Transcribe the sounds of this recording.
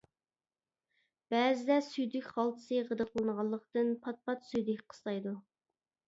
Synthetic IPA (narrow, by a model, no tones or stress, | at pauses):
b̥æːzɪd̪ɛsyjd̪ykʲχɑlˠt̪ʰɨ̥sɨʁəd̪əqlˠɨnəʁɑlˠːəqt̪ɨnpʰɑt̪̚pɑt̪syjd̪ɪkʲqʰə̥slˠɑjd̪u